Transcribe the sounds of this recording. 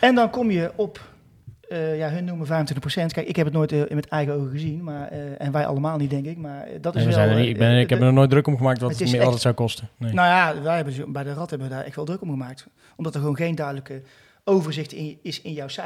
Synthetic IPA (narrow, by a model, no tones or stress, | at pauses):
ɛndɑnkɔmjəɔpː | jaɦɵnːuməvɛjvəntʰɪntəprosɛntkɛjkɪkɦɛpətnoːjtʔɪnmətɛjɣəowɣəɣəzinmaːɹɛ̰nʋɛjʔɑ̰lˠəmaːlˠnit̚dɛŋkɪk̚maːɹdɑtɪzɛjəniɪɡbɛnkɛmənɔnoːj̚drɵkɔmɣəmaːk̚tʋɑtəəɪɪlˠtɛtsawkɔstənenajaʋɛjɦɛbəbɛjdərɑtɦɛbənʋədaːɹʔɛ̰xtʋɛːldrɵkɔmɣəmaːk̚t | ʔɔmdɑtəɹɣʋownɣejndœɥdələkə | owvəɹzɪxtɪɪsɪnjɔwsɛ